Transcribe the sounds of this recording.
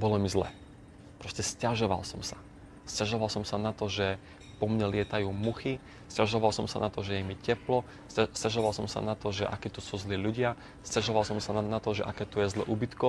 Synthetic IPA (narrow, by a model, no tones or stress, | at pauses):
bɔlɔmizlɛ̰ː | pɾɔscɛscaʒɔʋa̰lsɔmsḁ | scaʒɔʋalsɔmsanat̪ɔʒɛ | pɔmɲɛlɪɛt̪ajuːmuxi | scaʒɔʋalsɔmsa̰nat̪ɔʒɛjɛmicɛplɔ | sscaʒɔʋalsɔmsa̰nat̪ɔʒɛʔa̰kiːt̪usuːzliːʎuɟɪa | scaʒɔʋalsɔmsananat̪ɔʒɛʔakɛːt̪ɔjɛzlɛ̰ʔubit̪kɔ